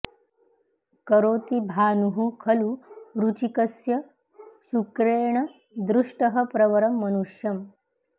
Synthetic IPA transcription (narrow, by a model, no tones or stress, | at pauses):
kɐɾoːt̪ibʱaːnuɦukʰɐluɾut͡ʃikɐsjɐ | ʃukɾeːɳ̃ɐ | d̪ɾuʂʈɐɦɐ̆pɾɐʋɐɾɐmːɐnuʂjɐm